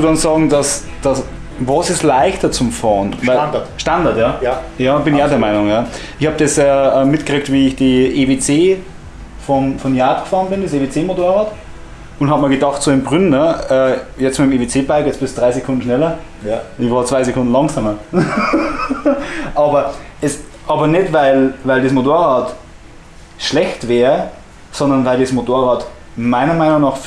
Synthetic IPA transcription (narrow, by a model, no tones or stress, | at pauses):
studɑnsɑːɡŋ̩dɑs | d̥as | vosɪstlaɪçtɐt͡sʊmfɑːnvaɪʃtandɐtjɑːjɑːb̥ɪnɪçaʊdɛɐmaɪnʊŋjɑːʔɪçhɑːb̚d̥ɛsɛɛmɪtkʁiːk̚tviːɪçd̥iʔevet͡seː | fɔnfɔnjaːtkfɑːʁnbɪndeseːvet͡seːmotoːɐɑːt | ʊnthɑbmaːlɡedɑχtsoːɪnmbʁʏnɐɛːjɛt͡stmaɪmeːvet͡seːbaɪkɛt͡sb̥ɪsd̥ʁaɪsekʰʊndn̩ʃnɛlɐ | nɪçvɑːɐt͡sv̥aɪsekʰʊndn̩lɑŋsɑːmɐ | ʔɑːbɐɛsʔɑːbɐnɛtvaɪlvaɪldesmotoːɐʁɑːt | ʃlɛçtvɛːʁ | sɔndɐnvaɪldesmotoːɐʁɑːt | maɪnɐmaɪnʊŋnɑːχf